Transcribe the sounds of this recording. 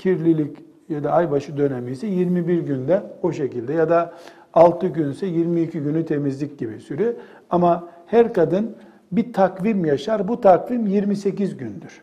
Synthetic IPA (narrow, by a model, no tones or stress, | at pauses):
cʰiɾlʲilʲic | jad̪aajbaʃɯd̪ø̞nɛmijsɛjiɾmibiɾɟynd̪ɛo̞ʃe̞cilʲd̪ɛjad̪aː | lˠt̪ʰɯɟynsɛjiɾmiːcʰiɟynyt̪ʰe̞mizlʲic̚ɟibisyɾy | amahæɾkad̪ɯn | bit̪ʰakvimjaʃaɾbut̪ʰakvimjiɾmise̞cizɟynd̪yɾ̥